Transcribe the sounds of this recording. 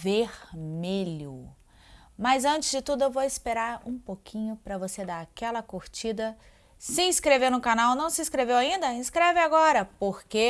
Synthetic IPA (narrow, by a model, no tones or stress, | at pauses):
veɾmeʎʊ | mɐzɐ̃t͡ʃɪzd͡ʒɪt̪ud̪ʊewvowɪspeɾaɾũpokʰĩɲʊpɾɐvosed̪aɾakɛlɐkoɾt͡ʃid̪ɐ | sɪĩskɾeveɾnʊkanawnɐ̃w̃sɪĩskɾevewaĩnd̪ɐĩskɾɛvɪaɡɔɾɐpoɾke